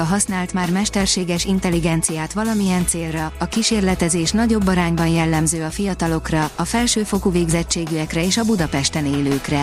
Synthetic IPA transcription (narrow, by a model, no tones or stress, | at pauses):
ɒɦɒsnaːlt̪maːrmɛʃt̪ɛrʃeːɡɛʃint̪ɛlːiɡɛnt̪sijaːt̪ʋɒlɒmijɛnt̪seːlrɒɒkiʃeːrlɛt̪ɛzeːʃnɒɟo̞bːɒɾaːɲbɒnjɛlːɛmzøːɒfijɒt̪ɒlo̞krɒɒfɛlʃøːfo̞kuveːɡzɛt͡ʃːeːɡyɛkrɛeːʃɒbud̪ɒpɛʃt̪ɛneːløːkrɛ